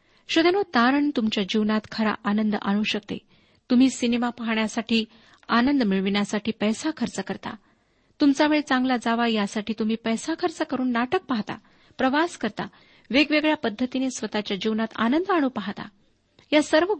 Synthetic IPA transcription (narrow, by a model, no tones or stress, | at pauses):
ɕəd̪enot̪aɾəɳt̪umt͡ɕjad͡ʑiʋnat̪kʰəɾa̰ʔanənd̪ʔa̰ɽ̃uɕək̚t̪ḛ | t̪um̤iːsinemapaɦɳjasaʈʰiː | anənd̪miɭʋiɳjasaʈʰiːpəjsakʰəɾt͡səkəɾt̪a̰ | t̪umt͡saʋeɭet͡sãŋɡlad͡zaʋajasaʈʰiːt̪um̤iːpəjsakʰəɾt͡səkəɾuːnːaʈək̚paɦt̪a̰ | pɾəʋaskəɾt̪a̰ | ʋeɡʋeɡɭjapəd̪ʱːət̪inesʋət̪at͡ɕjad͡ʑiʋnat̪a̰nənd̪aɽ̃uːpaɦt̪a̰ | jasəɾʋə